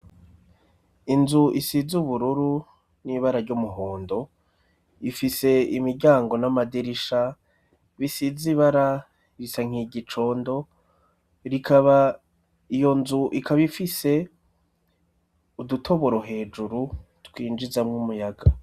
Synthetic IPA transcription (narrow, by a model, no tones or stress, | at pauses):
inzuʔisizuβuɾuɾu | niβaɾaɾɟumuɦoːndo̞ | ifise̞imiɾɟaːŋɡo̞namadiɾiʃa | βisiziβaɾa | iɾisaŋ̥iɟit͡ʃo̞ːndo̞ | ɾikʰaβa | ijo̞nzuʔikʰaβifise̞ | udutʰo̞βoɾoɦe̞ːd͡ʒuɾu | twiːnd͡ʒizamŋumujaɡa